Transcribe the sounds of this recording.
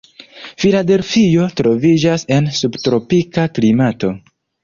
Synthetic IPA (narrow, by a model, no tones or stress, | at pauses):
filade̞lfijo̞tɾo̞vid͡ʒase̞nsubtɾo̞pikaklimato̞